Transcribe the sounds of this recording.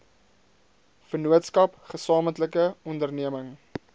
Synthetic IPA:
fənuətskɐpχəsɑːməntləkəɔndərniəməŋ

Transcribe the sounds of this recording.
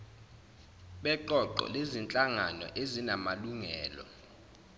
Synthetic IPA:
ɓɛǃɔǃɔ̰lezint͡ɬʼaŋanɔ̰ʔezinamaluŋɛːlɔ̰

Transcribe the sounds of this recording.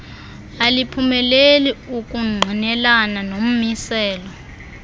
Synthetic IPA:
alipʰumɛleliuk̬ʼuŋ͡ǃʱinɛlananom̩misɛːlɔ

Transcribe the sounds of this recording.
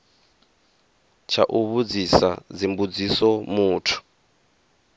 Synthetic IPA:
t͡ʃʰa̰ʔuβud͡zisa̰d͡zimbud͡zisɔmuːtʰu̥

